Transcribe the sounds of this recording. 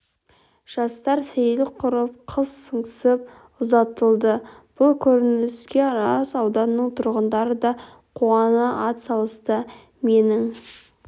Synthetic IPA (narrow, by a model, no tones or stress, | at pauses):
ʒ̥ɑst̪ɑɾsejlɪqʰʊɾəp̚qʰəzsəɴsəp̚ | ʊzɑt̪əlˠd̪əb̥ʊlˠkʲʰɵɾɪnnɪskʲe̞ɾɑsɑwd̪ɑnːəɴt̪ʰʊɾʁənd̪ɑɾəd̪ɑ | qʰuɑnəʔɑt̪sɑlˠəst̪ə | me̞nɪŋ